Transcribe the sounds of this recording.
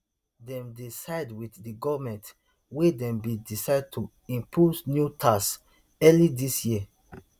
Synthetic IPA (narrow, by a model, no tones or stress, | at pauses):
dɛ̃mdisaɪdwiθdiɡɔvmɛ̃nt | wedɛ̃mbidisaɪd̚tʰu | ĩmpʰosnjutʰas | ɛlidisjiə